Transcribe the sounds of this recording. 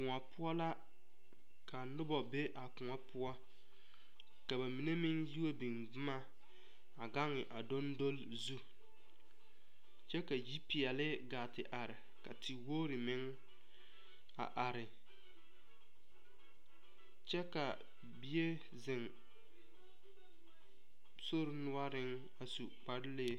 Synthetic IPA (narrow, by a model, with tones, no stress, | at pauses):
kʊ˨ŋa˨pʊ˦ɔ˦la˦ | ka˨nʊ˦bɔ˨be˦ʔa˨kʊ˨ŋa˨pʰʊ˦ɔ˦ | ka˨ba˨mi˨ne˦mɪ˦ŋji˦wo˦bi˨nbɪ˦ma˦ | a˨ɡa˦ŋɪ˨ʔa˨do˦ndo˦l | zu˦ | t͡ʃɛ˦ka˨ji˦pi˨ɛ˨lɪ˦ɡaː˨tɪ˨ʔa˨ɾɪ˨ | ka˨tʰi˨woː˦ɾɪ˨mɪ˦ŋ | a̰˨ʔa˨ɾɪ˨ | t͡ʃɛ˦ka˨ | bi˦e˦ | zɪ˨ŋ | so˦ɾɪ˨nʊ˦a˦ɾɪ˦ŋ | a˨su˨k͡pa˨ɾɪ˦leː˦